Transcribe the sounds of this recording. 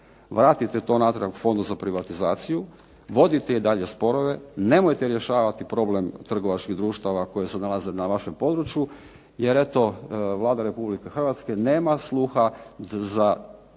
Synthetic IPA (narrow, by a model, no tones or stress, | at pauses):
ʋɾaːt̪it̪et̪o̞nat̪ɾeakfo̞nd̪uzapɾiʋat̪izaːt̪siju | ʋo̞d̪it̪eid̪aʎe̞spo̞ɾo̞ʋe̞ne̞mojt̪eɾje̞ʃaːʋat̪ipɾo̞ble̞mt̪r̩ɡo̞ʋat͡ʃkiɣd̪ɾuːʃt̪aʋako̞jesenalˠazenaʋaʃempo̞d̪ɾut͡ʃju | je̞ɾe̞t̪o̞ʋlˠaːd̪aɾe̞publikexr̩ʋat̪ske̞neːmaslˠuːxaza